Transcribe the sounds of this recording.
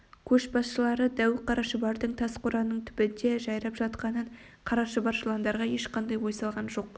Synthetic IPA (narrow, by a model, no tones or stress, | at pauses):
kʲʰɵʃbɑsʃəlˠɑɾəd̪æwɪqʰɑɾɑʃəbɑɾd̪əɴt̪ʰɑsqʰʊɾɑnːəɴt̪ʰʏ̥bɪnd̪e̞ʒɑjɾɑpʒɑt̪qɑnəɴ | qʰɑɾɑʃəbɑɾʃlˠɑnd̪ɑɾʁɑje̞ʃqʰɑnd̪ɑjwo̞jsɑlˠʁɑnʒo̞q̚